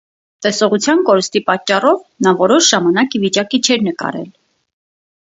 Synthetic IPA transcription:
t̪ɛsɔʁut͡sʰjɑnkɔɾəst̪ipɑt͡ʃːɑrɔvnɑvɔɾɔʃʒɑmɑnɑkivit͡ʃɑkit͡ʃʰɛɾnəkɑ̰ɾɛ̰l

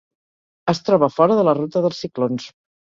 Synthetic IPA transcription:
əst̪ɾɔβəfɔɾəðələrut̪əðəlˠsiklons

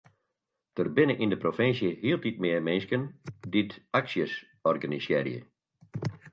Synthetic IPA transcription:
tərbɪnəʔindəprofɪnsjəhiəlˠtit̚mɪəmɪnskənditaksjəs | ɔrɡanisjɛ̰ɾjə̰

